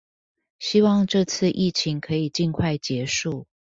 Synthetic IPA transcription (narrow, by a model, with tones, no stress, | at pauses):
ɕi˥wɑ˥˧ŋʈ͡ʂɤ˥˧t͡s̩ʰ˥˧ʔi˥˩t͡ɕʰi˧˥ŋkʰɤ˧˥i˨˩t͡ɕi˥˧nkʰwa˥˩ɪt͡ɕjɛ˧˥ʂu˥˩